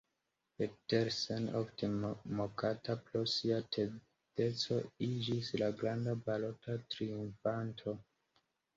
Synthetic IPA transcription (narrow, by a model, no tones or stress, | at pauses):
peteɾseno̰ftemokatapɾosiatʰe | de̞t͡so̞id͡ʒislaɡɾandabalo̞tatɾiuɱfantʰo̞